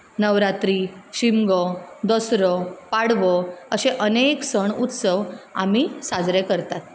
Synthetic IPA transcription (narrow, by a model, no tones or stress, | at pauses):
nəʋɾat̪ɾiɕimɡɔd̪əsɾɔpaɽʋɔəseʔəneksəɳut̪səʋa̰m̤isad͡zɾekəɾt̪at̪̚